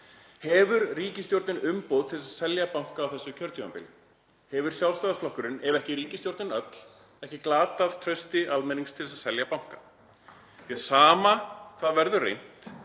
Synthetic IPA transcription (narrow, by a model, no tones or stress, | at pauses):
hɛvʏɾriːcɪst̪jowɾt̪nɪnʏmpowðt̪ʰɪlɪsaðsɛljapawŋ̥kaːwθɛsːʏcʰœɾt̪jʏampɪ̰l | hɛvʏɾ̥sjalsaðasflɔhkʏɾɪnɛvɛhcɪɾiːcɪst̪jowɾt̪nɪnœt̪l̥ | ɛhcɪklaːt̪að̥t̪ʰɾœɥst̪ɪʔalmɛniŋkst̪ʰɪlsaðsɛljapawŋ̥ka | θiaðsaːmakʰvaðvɛɾðʏrḛjn̥t̪